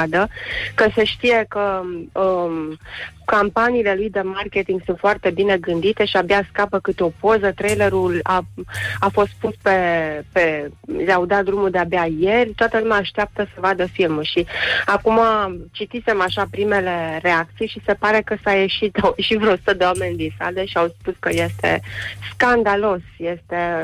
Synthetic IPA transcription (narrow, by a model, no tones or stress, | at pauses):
d̪əkəseʃt̪ije̞kəə | kampaniːle̞lujd̪e̞marke̞t̪iŋɡsunt̪foart̪e̞bine̞ɡɨnd̪it̪e̞ʃiabaskapəkɨt̪eo̞po̞zət̪ɾejle̞ɾulaafo̞st̪̚puspe̞peleaud̪at̪̚d̪ɾumuld̪e̞abeaje̞rʲt̪oat̪əlumʲaːʃt̪eap̚t̪əsəvad̪əfilmuʃiakumat͡ʃit̪ise̞maʃapɾime̞le̞re̞ak̚t̪sijʃise̞paɾe̞kəsaje̞ʃit̪awjeʃit̪vɾosut̪əd̪ewamenʲnd̪isa̰d̪eʃiawspuskəje̞st̪e̞̰skand̪alo̞sje̞st̪e̞